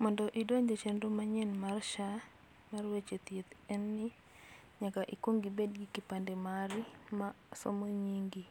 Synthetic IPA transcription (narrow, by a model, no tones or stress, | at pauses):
mɔndɔʔidoɲd͡ʒet͡ʃendomaɲɛnmarʃa | marwet͡ʃet̪jet̪ɛnːɪ | ɲakaʔikwoŋɡibed̚ɡikipandɛmaɾima | so̰moɲiŋɡi